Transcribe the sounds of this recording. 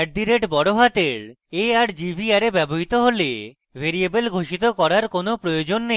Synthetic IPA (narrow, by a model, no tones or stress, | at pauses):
ɛʈ̚d̪iɾeʈbɔɽoɦat̪eɾ | eaɾd͡ʑibʱiaɾebɛboɦit̪oɦole | bʱeɾiebelɡʱoʃit̪okɔɾaɾkonopɾojod͡ʑonːe